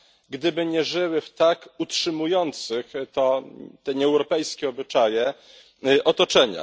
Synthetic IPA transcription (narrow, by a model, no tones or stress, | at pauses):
ɡd̪ɘbɘɲɛʐɘwɘft̪akutʂɘmujɔnt̪sɘxt̪ɔt̪ɛɲɛɛwɾɔpɛjskʲɛɔbɘt͡ʂajɛ | ʔɔt̪ɔt͡ʂɛɲa̰